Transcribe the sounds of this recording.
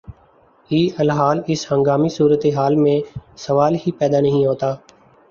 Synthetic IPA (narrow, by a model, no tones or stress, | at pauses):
iːʔəlɦaːlɪshə̃ŋɡaːmiːsuːɾət̪eːɦaːlmẽːsəʋaːlɦiːpɛːd̪aːnəɦĩːɦoːt̪aː